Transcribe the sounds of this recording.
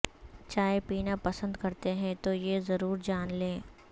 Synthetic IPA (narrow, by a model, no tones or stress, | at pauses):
t͡ʃaːepiːnapɐsə̃nd̪kɐɾt̪eɦɛ̃t̪ojezɐɾuːɾd͡ʒaːnlẽː